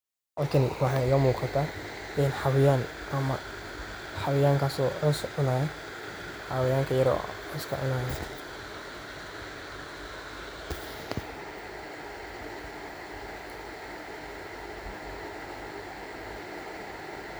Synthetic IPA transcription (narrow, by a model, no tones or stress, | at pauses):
laːkʰɪnwɑħɑɪjɔːmuːqɑt̪ʰaɪnħɑwɪjaːn | ʔɐmɐ | ħɑwɪjaːŋkʰaːsɔħʊsʔʊnaːɛ | ħaːwɪjaːŋkʰɐjɐɾɔ̰ħʊskʰɐ̰ʔʊnaːjɛ